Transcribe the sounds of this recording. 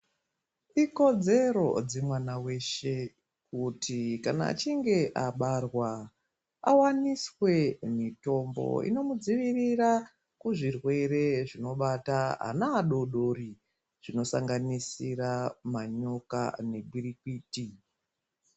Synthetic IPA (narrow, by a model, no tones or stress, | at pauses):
iko̞d͡ze̞ɾo̞̰d͡ze̞mwanawe̞ʃe̞ | kutʰikana̰ːt͡ʃiŋɡe̞ʔaɓarwa | a̰waniswe̞mito̞mbo̞̰ḭno̞mud͡ziʋirira | kuʐirwe̞ɾe̞ʐino̞ɓataɦa̰naːɗo̞ɗo̞ɾi | ʐ̥ino̞saŋɡanisiramaɲo̞ka̰ne̞bʱiɾikiːti